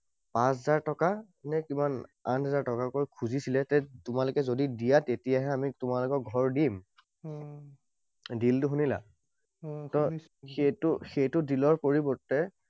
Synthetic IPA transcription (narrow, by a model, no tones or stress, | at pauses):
pãszaɹtɔka | nɛkimana̰nɦɛzaɹtɔkakojkʰuzisilɛtɛtʊmalʊkɛzodidijatetijaɦɛamitʊmalʊkɔɡʱɔɹdim | diltʊɦunila̰ | tɔ | xetʊxejtʊdilɔɹpoɹibɔɹtɛ